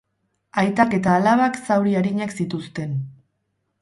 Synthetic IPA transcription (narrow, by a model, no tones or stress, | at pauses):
ajt̪ake̞t̪aːlaβaksawɾiaɾiɲaksit̪ust̪e̞n